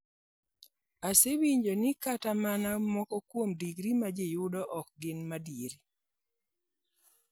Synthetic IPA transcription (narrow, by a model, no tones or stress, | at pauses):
asewiɲd͡ʒonɪkatamanamɔkɔkwomdiɡɾimad͡ʒejʊdɔʔɔk̚ɡɪnmadieɾi